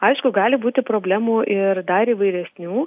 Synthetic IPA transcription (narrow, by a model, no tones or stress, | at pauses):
ɐɪʃkʊɡɑːlʲɪbuːt̪ʲɪpɾoːbʲlʲæːmuːʔɪɾd̪ɐɾiːʋɐɪɾʲɛsʲnʲuː